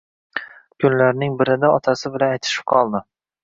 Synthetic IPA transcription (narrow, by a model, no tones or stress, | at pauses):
kʰʊnlaɾnɪŋbɪɾɪd̪aɒt̪ʰasɪbɪlanajt̪ʰɪ̥ʃɪ̥p̚qʰɒlˠd̪ɪ